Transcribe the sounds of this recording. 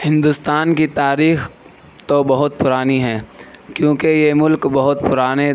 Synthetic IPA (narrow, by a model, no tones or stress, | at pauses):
hɪ̃nd̪ʊst̪aːnkit̪aːɾiːx | t̪obɐɦʊt̪̚pʊɾaːniɦɛːkjõːkejemʊlkbɐɦʊt̪pʊɾaːne